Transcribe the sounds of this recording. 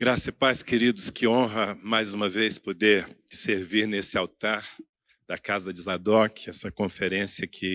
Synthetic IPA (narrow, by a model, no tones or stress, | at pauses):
ɡɾasɐpajskeɾid̪ʊskɪõɦɐmajzũmɐvespod̪eɾseɾviɾnesɪawt̪aɾ | d̪̥ɐkazɐd͡ʒɪzad̪ɔkɛsɐkõfeɾẽsjɐkʰɪ